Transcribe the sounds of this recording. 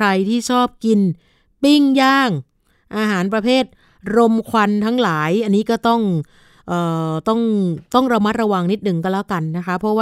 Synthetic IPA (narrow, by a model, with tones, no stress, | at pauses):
kʰɾa˧jt̪ʰiː˥˩t͡ɕʰɔː˥˩p̚ki˧n | pi˥˩ŋjaː˥˩ŋ | ʔaː˧ɦaː˩˦np̬ɾa˧pʰeː˥˩t̪̚ | ɾo˧mkʰwa˧nt̪ʰa˦˥ŋlaː˩˦jʔa˧nːiː˦˥kɔː˥˩t̪ɔ˥˩ŋ | ʔɤː˨˩t̪ɔ˥˩ŋt̪ɔ˥˩ŋɾa˧ma˦˥t̪̚ɾa˧wa˧ŋni˦˥t̪̚nɯ˨˩ŋka˧nlɛ˦˥wka˧nːa˦˥kʰa˦˥pʰɾɔ˦˥waː˥˩